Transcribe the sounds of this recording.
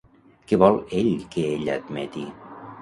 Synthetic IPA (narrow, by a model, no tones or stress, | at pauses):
kɛβɔlˠeʎkeeʎa̰d̪mɛ̰t̪i